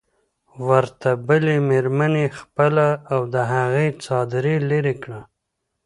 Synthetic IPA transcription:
wəɾt̪abəlemeɾmanexpəlaːwd̪əɦaɣet͡sɑd̪ɾeleɾekɽa

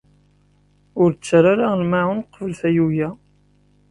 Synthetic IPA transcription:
ʊɾt͡sːɾaɾalmaʕʊnqːvəlθæjujæ

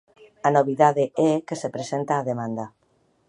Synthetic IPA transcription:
anoβiðaðeɛkesepɾesent̪aːðemãnd̪a

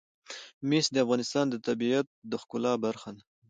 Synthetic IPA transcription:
mesd̪əafɣɑnɪst̪ɑnd̪ət̪abiat̪̚d̪əxkʊlɑbaɾxan

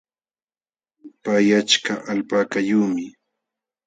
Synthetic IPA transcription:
pajat͡ʃkaʔalpaːkajuːmɪ

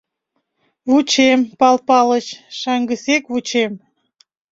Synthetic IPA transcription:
βut͡ɕempɑlpɑlət͡ɕʃɑŋɡəsekβut͡ɕem

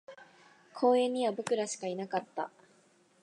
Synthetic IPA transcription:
kʰo̞ːẽ̞ɲ̟ːiβabo̞kɯ̟ɾaɕi̥kainakat̪ːa

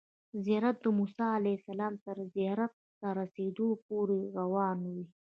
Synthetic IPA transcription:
zijɑɾat̪̚d̪əmusɑalasalɑːmt̪əɾzijɑɾat̪̚ːaɾased̪op̚oɾeɾawɑnwi

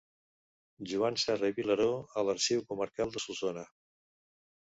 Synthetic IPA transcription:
ʒuansɛreβiləɾoələɾʃiwkuməɾkalˠd̪əsuzonə

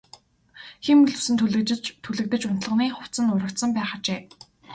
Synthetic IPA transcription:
ximɵɮɵwsɘ̆nt̪ʰɮɘ̆t̪ʰːuɮɘ̆k̚t̪ɘ̆t͡ɕʊn̥t̪̆ɮə̆niːχʊw̥t̪t͡sə̆nʊɾə̆kt̪sə̆mpæːχat͡ɕeː

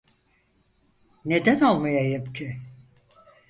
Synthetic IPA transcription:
ne̞d̪ænolˠmajajimcʰɪ

